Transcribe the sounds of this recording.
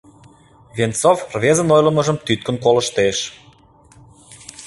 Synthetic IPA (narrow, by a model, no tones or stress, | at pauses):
vʲent͡sofrvʲezə̆nojlə̆mə̆ʒəmt̪yt̪̚kə̆nkolə̆ʃt̪eʃ